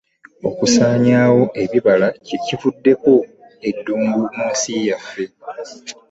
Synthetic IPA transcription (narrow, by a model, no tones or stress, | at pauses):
o̞̰kusaːɲaːwo̞ʔe̞βiβalacicifudːe̞ko̞ | e̞dːuːmɡumuːsijafːe̞